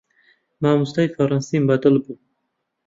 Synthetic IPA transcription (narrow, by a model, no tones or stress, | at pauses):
maːmust̪ajfaɾɑnsimbad̪əlbu